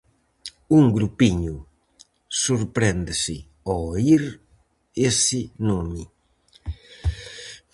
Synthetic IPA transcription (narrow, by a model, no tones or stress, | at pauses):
uŋɡɾupiɲu | suɾpɾend̪esɪ | ɔiɾ | esɪnomi